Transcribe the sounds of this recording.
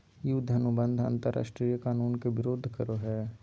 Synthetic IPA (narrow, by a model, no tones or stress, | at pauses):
jud̪ʱɐnʊbə̃nd̪ʱɐ̰̃nt̪əɾʔa̰ːʃʈɾiːjəkaːnuːnkeʋɪɾoːd̪ʱkəɾoɦɛː